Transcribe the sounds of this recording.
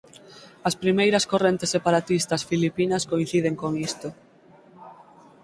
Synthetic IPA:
ɐspɾimejɾɐskorent̪esːepaɾat̪ist̪ɐsfilipinɐskoinθiðeŋkoŋist̪o

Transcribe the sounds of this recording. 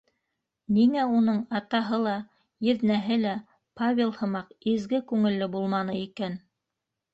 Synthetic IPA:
niŋæunɤɴɑt̪ɑɦɤlˠɑ | jɘ̆ðnæɦɘlæ | pavʲelˠhɤ̆mɑqizɡɘkʉŋɘ̆lːɘbulˠmɑnɤikæn

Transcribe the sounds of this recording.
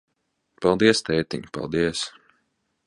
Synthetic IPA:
pɑlˠd̪iɛst̪ɛːt̪ḭɲpa̰lˠd̪iɛs

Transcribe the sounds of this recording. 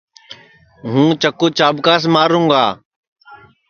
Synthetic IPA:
ɦũːt͡ʃəkːoːt͡ʃaːbkaːs̬maːɾũːɡaː

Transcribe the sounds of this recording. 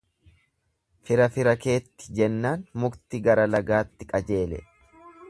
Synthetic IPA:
fɪɾɐfɪɾɐke̞ːt̪ːɪ̥d͡ʒɛnːaːnmʊkt̪ɪɡɐɾɐlɐɡaːt̪ːɪkʼɐd͡ʒe̞ːlɛ̰

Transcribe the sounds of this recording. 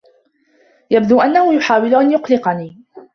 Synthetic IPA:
jab̚d̪uːʔanːahʊjʊħaːwɪlʊʔanjʊqlɪqɑniː

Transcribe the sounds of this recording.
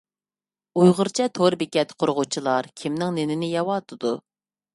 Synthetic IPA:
ujʁʊɾt͡ʃʰɛt̪ʰoɾbɪkʲɛt̪qʰoɾʁʊt͡ʃʰilˠɑɾkʲʰimnɪŋnenɪnɪjɑwɑːt̪ʰɨd̪u

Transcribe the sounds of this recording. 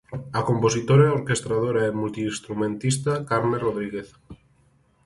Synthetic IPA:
akomposit̪oɾaoɾkest̪ɾaðoɾaemult̪iːst̪ɾumẽnt̪ist̪akaɾmeroðɾiɣeθ

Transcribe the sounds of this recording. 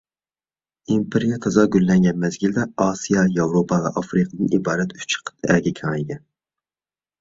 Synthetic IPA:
impʰeɾijɛt̪ʰɑzɑɡʲylːɛŋɡʲɛnmɛzɡʲild̪ɛɑsijɑjɑwɾopʰɑvɛʔɑfɾiqʰəd̪ɨnʔibɑːɾɛt̪y̥t͡ʃʰə̥qʰə̥t̪ʰɛɡʲɛkʲʰɑŋɡʲɛn

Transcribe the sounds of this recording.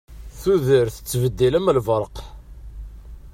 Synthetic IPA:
θuðəɾθə̥t͡sːvəd̪ːiləmlvəɾˤəq

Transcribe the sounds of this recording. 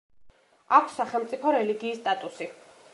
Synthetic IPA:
akʷʰsːaχɛlˠmt̪sʼipʰɔɾɛliɡiːst̪ʼat̪ʼusi

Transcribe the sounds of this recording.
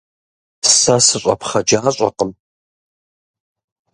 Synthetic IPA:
sɐsɨɕʷʼɐ̰pχɐd͡ʒaːɕʷʼɐ̰qəm

